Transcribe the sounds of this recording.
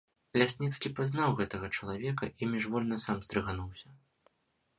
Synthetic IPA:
lʲasʲnʲit̪skʲipaznawɣɛt̪ɐɣɐt͡ʂɐlˠavʲɛkɐʔimʲiʐvɔlʲnɐsamzd̪ɾɨɣanuwsʲɐ

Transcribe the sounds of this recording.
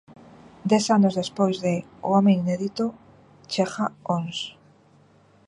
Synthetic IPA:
d̪ɛsanʊzðespojzðe | oomẽŋineðit̪o | t͡ʃexaons

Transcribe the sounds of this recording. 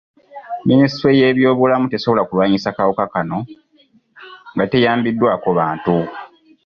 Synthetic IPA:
ministɾeje̞ːβjo̞ːβulamute̞soβo̞lakulwaːɲisakawokakano̞ | ŋɡate̞jaːmbidːwaːkoβaːntu

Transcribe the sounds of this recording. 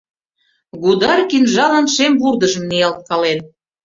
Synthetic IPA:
ɡud̪ɑrkinʒɑlə̆nʃemβurd̪ə̆ʒə̆mnijɑlt̪̚kɑlen

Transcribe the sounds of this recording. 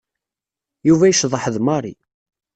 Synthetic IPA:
juvæjəʃðˤəħðmɑɾˤi

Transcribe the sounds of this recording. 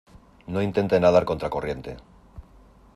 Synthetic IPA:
no̞int̪e̞nt̪enaðaɾko̞nt̪ɾako̞rje̞nt̪e̞̰

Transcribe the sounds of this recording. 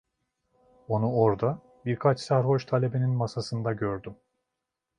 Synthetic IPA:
onuo̞ɾd̪a | biɾkʰat͡ʃsæɾɦo̞ʃt̪ʰalʲe̞bininmasasɯnd̪aɟøɾd̪ym

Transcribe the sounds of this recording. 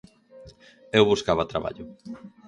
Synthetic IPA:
ewβuskaβɐt̪ɾa̰βa̰ʎʊ

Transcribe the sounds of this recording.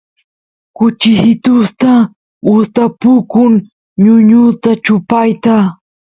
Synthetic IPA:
kʊt͡ʃɪsɪt̪ʊst̪a | ʊst̪apʊkʊŋ | ɲʊɲʊt̪at͡ʃʊpajt̪a

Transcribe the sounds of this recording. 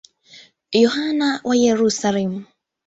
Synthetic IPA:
jɔhanawʔajɛɾusalim

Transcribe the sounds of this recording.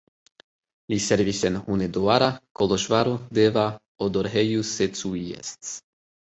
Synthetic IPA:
lisɛɾvisɛnhuned̪oaɾakolɔʃvaɾud̪eva | od̪ɔɾɦɛjuset̪t͡suiɛ̰st̪s

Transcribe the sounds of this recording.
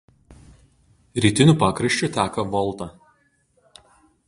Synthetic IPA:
ɾʲiːt̪ʲɪnʲuːˑpɑːkɾɐʃʲt͡ʃʲʊˑt̪ʲæːkɐʋɔlˠt̪ɐ

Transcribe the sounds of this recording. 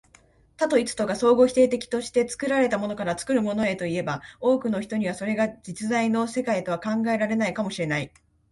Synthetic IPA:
t̪at̪o̞it͡sɨ̥t̪oɡaso̞ːɡo̞çi̥t̪e̞ːt̪e̞kʲi̥t̪o̞ɕi̥t̪e̞t͡sɨ̥kɯ̟ɾaɾe̞t̪amo̞no̞kaɾat͡sɨ̥kɯ̟ɾɯ̟mo̞no̞e̞t̪o̞ie̞bao̞ːkɯ̟no̞çi̥t̪o̞ɲ̟iβ̞aso̞ɾe̞ɡad͡ʑit͡sɨzaino̞se̞kait̪o̞βakãŋɡae̞ɾaɾe̞naikamo̞ɕiɾe̞nai

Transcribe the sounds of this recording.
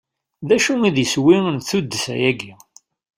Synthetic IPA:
ðæʃuiðjəswiənθud̪ːəsæ̰jæɡi

